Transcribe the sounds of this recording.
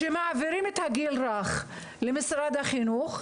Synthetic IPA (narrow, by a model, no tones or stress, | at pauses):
ʃemaʕaviɾimet̪haɡilɾaχ | lemisɾad̪aχinuχ